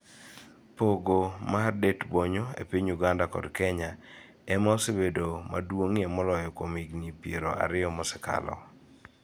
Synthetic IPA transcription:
poɡomardetboɲoḛpiɲuɡandakɔ̰dkɛɲa | ɛmaɔsebedoma̰dwoŋiɛmɔlɔjɔkomiɡnipeɾoa̰ɾɪɔmɔsɛka̰lɔ̰

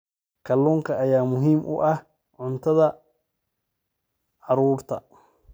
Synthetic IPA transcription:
kʰɐluːŋkʰɐːjaːmʊɦiːmʔʊ̰ʔɐh | ʕʊnt̪ʰɐðɐ | ʕɑɾuːrt̪ʰɐ

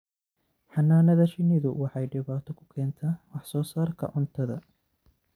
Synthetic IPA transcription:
ħɑnːaːnɐðɐʃɪnɪðʊwɑħɑjɖɪβaːt̪ʰɔkʰʊ̥kʰɛːnt̪ʰɐːwɑħsɔːsaːrkʰɐ̰ʔʊnt̪ʰɐðɐ̰

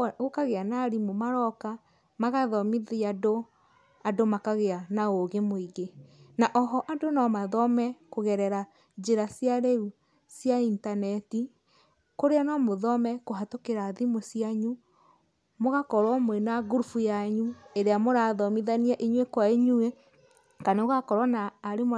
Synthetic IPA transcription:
ɣokaɣeanaɾimomaɾɔka | maɣaðɔmiðiado | adomakaɣeanaoɣemoiɣenaʔɔɦɔʔadonɔmaðɔmɛkoɣɛɾɛɾa | d͡ʒeɾasjaɾɛu | sjaintanɛti | koɾeanɔmoðɔmɛkoɦatokeɾaðimosiaɲu | moɣakɔɾwɔmwɛnaɣuɾufujaɲueɾeamoɾaðɔmiðaniaʔiɲwekwaiɲue | kanoɣakɔɾwanaːɾem

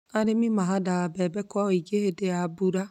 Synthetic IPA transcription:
aɾemimaɦadaabɛbɛkwaɔiɡehedeabuɾa

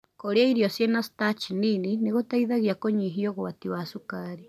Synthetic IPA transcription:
koɾeaiɾjosjenasi̥tat͡ʃininineɣotaiðaɣjakoɲiɦioɣwatiwasukaɾi

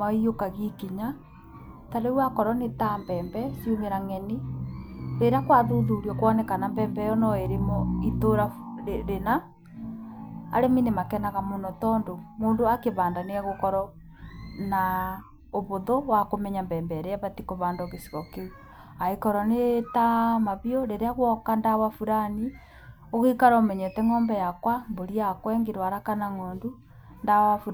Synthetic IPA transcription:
maiokaɣikiɲa | taɾewakɔɾɔnetambɛːmbɛsiumeɾaŋɛni | ɾeɾakwaðuðuɾiɔkwɔnɛkanambɛːmbɛjɔnɔeɾemɔitoɾaɾena | ɾeminemakɛnaɣamonɔtɔːndomoːndoakeβaːndaneaɣokɔɾɔ | na | oβoðowakomɛɲambɛːmbɛɾeaβatikoβaːndɔɣesi̥ɣɔkeu | aekɔɾɔnetamaβiɔɾeɾeaɣwɔkandaβafuɾani | oɣikaɾaomɛɲɛtɛŋɔːmbɛjakwamboɾiakwɛːŋɡeɾwaɾakanaŋoːndu | ndawafuɾ

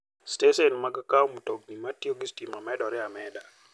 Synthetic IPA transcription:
steʃɛnmaɡakaɔmutoɡ̚nimatioɡistimamɛdɔɾɪamɛda

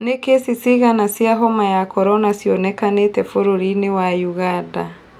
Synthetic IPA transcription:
nekesisiɣanasjaɦɔmajakɔɾɔnasiɔnɛkanetɛfoɾoɾinewajuɣada

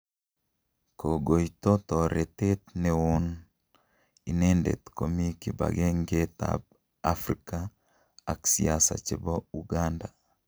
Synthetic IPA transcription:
koɡoit̪ot̪ɔɾet̪et̪̚neon | inɛndḛt̪komikiba̰ɡeŋɡet̪a̰b̚ | afɾika | aksḭasa̰t͡ʃebɔuɡanda

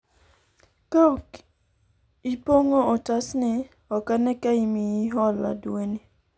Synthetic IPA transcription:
kaɔk | ipoŋoɔtasnɪ | ɔkanɛkaimiiɦɔla̰dweni

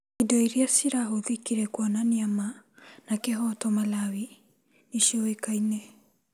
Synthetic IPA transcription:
idɔiɾiasiɾaɦoðikiɾɛkwɔnaniamanakeɦɔtɔmalawi | niʃɔwekainɛ

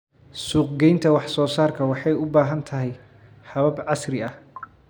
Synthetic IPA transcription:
suːqɡɛjnt̪ʰɐwɑħsɔːsaːrkʰɐwɑħɑjʊbaːɦɐnt̪ʰɐɦɛj | hɐβɐbʕɑsrɪɐh

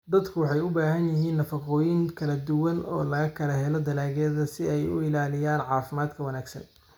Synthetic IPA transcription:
d̪ɐd̪kʰʊwɑħɑjʊbaːɦɐnjɪɦiːnːɐfɐqɔːjɪŋkʰɐlɐd̪ʊwɐnɔ̰ːlɐɣɐkʰɐlɐɦɛlɔd̪ɐlaːɣɛːðɐsɪɛjʊɪlaːlɪjaːnʕɑːfɪmaːd̪kʰɐwɐnaːɡsɐ̰n

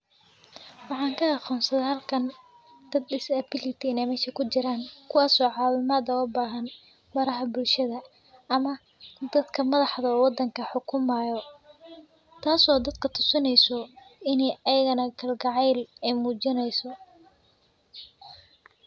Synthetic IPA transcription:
wɑħɑːŋkʰɐɑqɔːnsɐðɐaɐːlkʰɐn | d̪ɐd̪ɪsɐbɪlɪt̪ʰɪnɛmɛːʃɐkʰʊt͡ʃɪɾaːŋkʰʊwaːsɔːʕɑːwɪmaːd̪ɐɔbaːɦɐn | bɐɾɐɦɐbʊlʃɐðɐ | ɐmɐ | d̪ɐd̪kʰɐmɐðɑħðɐɔːwɑd̪ːɐŋkʰɐħʊkʰʊmɐjɔ | t̪ʰaːsɔːd̪ɐd̪kʰɐt̪ʰʊsɪnɛjsɔɪnɛjɐjɐɣɐnɐɡʰɐlɡɑʕɛjlɛjmuːt͡ʃɪnɛjsɔ

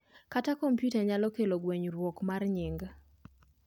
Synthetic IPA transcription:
katakompjutaɲalɔkeloɡweɲɾwɔkmarɲiŋɡ

